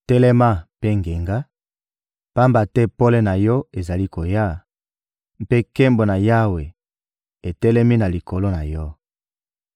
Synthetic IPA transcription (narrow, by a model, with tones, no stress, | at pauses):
tɛ˦lɛ˦ma˦pe˦ŋɡe˨ŋɡa˦ | pa˦mba˨tɛ˦po˦lɛ˦na˨jɔ˦e˨za˨li˦ko˨ja˦ | m˦pe˦ke˦mbo˨na˨ja˦we˨ | e˨tɛ˦lɛ˦mi˦na˨li˨ko˨lo˦na˨jɔ˦